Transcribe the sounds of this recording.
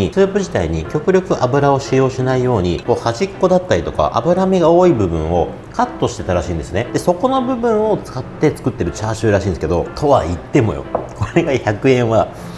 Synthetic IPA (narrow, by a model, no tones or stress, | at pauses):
isɨːpɯ̟ʑit̪aiɲ̟ikʲo̞kɯ̟ɾʲo̞kɯ̟ʔabɯ̟ɾao̞ɕijo̞ːɕinaijo̞ːɲ̟iko̞ːhaʑikːo̞d̪at̪ːaɾʲit̪o̞ka̰ʔa̰bɯ̟ɾameɡao̞ːibɯ̟bɯ̟̃ɰ̃o̞ | kat̪ːoɕi̥t̪e̞t̪aɾaɕĩːnd̪e̞sɨned̪̥e̞so̞ko̞no̞bɯ̟bɯ̟̃ɰ̃o̞t͡sɨ̥kat̪ːe̞t͡sɨ̥kɯ̟t̪ːe̞ɾɯ̟t͡ɕaːɕɨːɾaɕĩːnd̪esked̪o̞t̪ʰo̞βait̪ːe̞mo̞̰jo̰kʰo̞ɾe̞ɡaçakɯ̟ẽ̞ɰ̃βa